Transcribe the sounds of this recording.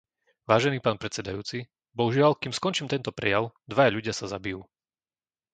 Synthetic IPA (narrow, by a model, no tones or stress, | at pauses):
ʋaːʒɛniːpaːnpɾɛt͡sɛd̪ajuːt͡si | bɔɦuʒɪalkiːmskɔnt͡ʃiːmt̪ɛnt̪ɔpɾɛ̰jaʊd̪ʋajaʎuɟɪasazabijuː